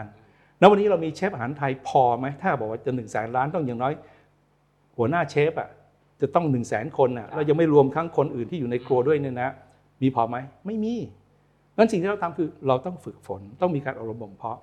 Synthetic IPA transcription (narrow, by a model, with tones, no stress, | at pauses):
n | na˦˥wa˧nːi˦˥ɾa˧wmiː˧t͡ɕʰe˦˥p̚ʔa˧ɦaː˩˦nt̪ʰa˧jpʰɔː˧ma˦˥jt̪ʰaː˥˩bɔː˨˩k̚waː˥˩t͡ɕa˨˩nɯ˨˩ŋsɛː˩˦nɾaː˦˥nt̪ɔ˥˩ŋjaː˨˩ŋnɔː˦˥j | hu˩˦ənaː˥˩t͡ɕʰeː˦˥p̚ʔa̰˨˩ | t͡ɕa˨˩t̪ɔ˥˩ŋnɯ˨˩ŋsɛː˩˦nkʰo˧nʔa˨˩la˧wja˧ma˥˩jɾu˧əmkʰa˦˥˩ŋkʰo˧nʔɯː˨˩nt̪ʰiː˥˩juː˨˩na˧jklu˧ɐdu˥˩əjna˥˩na˦˥ | miː˧pʰɔː˧ma˦˥jma˥˩jmiː˧ | ŋa˦˥nsi˨˩ŋʰiː˥˩ɾa˧wt̪ʰa˧mkʰɯː˧ɾa˧wt̪ɔ˥˩ŋfɯ˨˩k̚fo˩˦nt̪ɔ˥˩ŋmiː˧kaː˧nʔa˨˧ɾo˧mbo˨˩mpʰɔ˦˥